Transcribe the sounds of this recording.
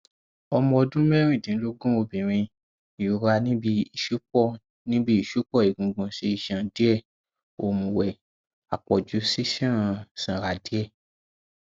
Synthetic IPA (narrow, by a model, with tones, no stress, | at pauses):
ɔ˧mɔ̃˧ɔ˧dũ˦mɛ˦ɾ̃ĩ˦˨tĩ˨˦lo˦ɡũ˦o˧˨bĩ˨ɾ̃ĩ˧ | i˨ju˨ɾa˧nĩ˦bi˦i˦˨ʃu˦k͡pɔ˦˨ | nĩ˦bi˦i˦˨ʃu˨˦k͡pɔ˦˨i˨ɡũ˨ɡũ˨si˧˦i˦˨ʃã˨˧˨di˦ɛ˦˨ | o˨mũ˨wɛ˨ | a̰˨k͡pɔ˨d͡ʒu˨˦si˦ʃã˦˧sã˨ɾa˨di˦ɛ˦˨